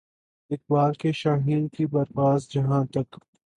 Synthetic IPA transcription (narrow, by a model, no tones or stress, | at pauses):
ɪk̚baːlkeʃaːɦiːnkibɐɾpaːzd͡ʒɐɦãt̪ɐk